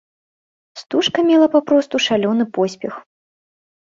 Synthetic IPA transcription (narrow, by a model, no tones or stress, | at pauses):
st̪uʂkɐmʲɛlˠɐpapɾɔst̪uʂalʲɔnɨpɔsʲpʲɛx